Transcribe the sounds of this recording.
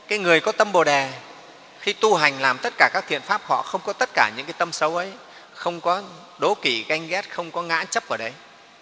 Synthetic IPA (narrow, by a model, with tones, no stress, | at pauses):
kaː˨˦jŋɨ˨˩əjkɔ˨˦t̪ə˧mɓo˨˩ɗɛ˨˩ | xi˧t̪u˧ɦa˨˩jŋ̟laː˨˩mt̪ə˦˥t̚kaː˧˩kaː˦˥kt̪ʰḭ˧˨ənfaː˦˥p̚hɔ̰˧˨xə˧wŋ͡mkɔ˨˦t̪ə˦˥t̚kaː˧˩ɲɨ̰˧˥ŋkaː˨˦t̪ə˧msə˨˦wʔə˨˦j | xə˧wŋ͡mkɔ˨˦ | ɗo˨˦ki˧˩ɣa˧jŋ̟ɣɛ˦˥t̚xə˧wŋ͡mkɔ˨˦ŋa̰ː˧˥t͡ɕə˦˥p̚ʔəː˧˩ɗə˨˦j